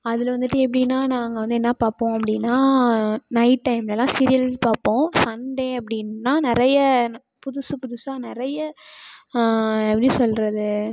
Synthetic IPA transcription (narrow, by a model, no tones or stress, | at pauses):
ɐðɪlʋɐnd̪ɯʈːɯɛp̬ːɐɽɪnːaːnaːŋɡɐʋɐnd̪ɯɛnːɐpaːɾpõːɐpːɐɽɪnːaːnɐɪʈːɐɪmlɛlːãːsɪɾɪjɐlpaːɾpːõːsɐɳɖẽɐp̬ːɐɽɪnːaːnɪɾɐjɐ | pʊðʊsɯpʊðʊsaːnɪɾɐjɐ | ɛpːɐɽisɔlɾɐðɯ